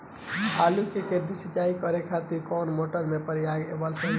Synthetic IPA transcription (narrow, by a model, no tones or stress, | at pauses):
ɦalukeked̪isit͡ʃaikəɾekʰat̪iɾkɔnmoʈəɾmepəɾjaɡḛbəlsə